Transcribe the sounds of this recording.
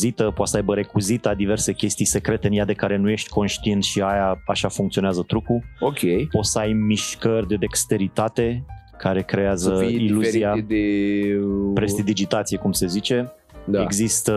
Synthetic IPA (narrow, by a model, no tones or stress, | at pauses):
zit̪əpoat̪səajbəɾe̞kuzit̪ad̪ive̞rse̞kʲe̞st̪ijse̞kɾe̞t̪e̞ɨnjad̪e̞kaɾe̞nuje̞ʃt̪ʲkʰo̞nʃt̪ient̪ʃiajaaʃafuŋkt̪sioneazət̪ɾukuokʲʰejpo̞t̪səajmiʃkərʲd̪e̞d̪ekst̪e̞ɾit̪at̪e̞ | kʰaɾe̞kɾe̞azəiluziad̪e | pɾestt̪id̪id͡ʒit̪at̪sije̞kumse̞zit͡ʃe̞ | d̪eɡzist̪ə